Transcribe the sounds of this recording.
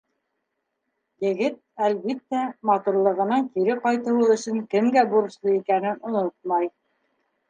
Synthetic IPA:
jɘ̆ɡɘt̪̚ælβit̪ːæmɑt̪uɾlˠɤ̆ʁɤ̆nɑŋkiɾɘqɑjt̪ɤ̆wɤlˠɵ̆ʃɘŋkɘ̆mɡæbuɾɤ̆ʃlˠɤikænɘnŏnot̪̚mɑj

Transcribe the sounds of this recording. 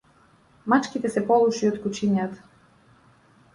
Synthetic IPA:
mat͡ʃkit̪ɛsɛpɔlˠuʃiɔt̪kut͡ʃinjat̪ḁ

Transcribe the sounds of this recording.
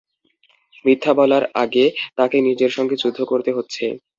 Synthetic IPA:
mɾit̪ʰːabɔlaɾaɡet̪akenid͡ʑeɾʃɔŋɡed͡ʑud̪ʱːokoɾt̪eɦotːɕʰḛ

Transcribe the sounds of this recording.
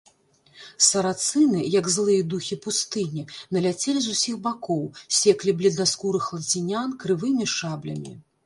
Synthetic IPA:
sɐɾat̪sɨnɨjɐɡzlˠɨjɐd̪uxʲipust̪ɨnʲinɐlʲat͡sʲelʲizusʲixbakɔwsʲɛklʲiblʲɛd̪naskuɾɨxlˠɐd͡zʲinʲankɾɨvɨmʲiʂablʲɐ̰mʲḭ

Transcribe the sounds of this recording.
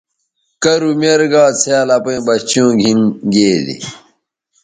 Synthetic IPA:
kɐɾumeɾɡaːt͡sʰaːlapẽbɐt͡ɕjõːɡʱinɡeːd̪ḭ

